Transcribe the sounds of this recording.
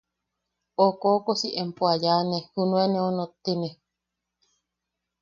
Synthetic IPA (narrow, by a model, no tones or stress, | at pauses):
okoːkosiʔempuajaːnehunueneonot̪ːine